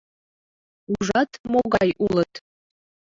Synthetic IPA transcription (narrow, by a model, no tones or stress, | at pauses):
uʐɑt̪moɣɑjʔulˠət̪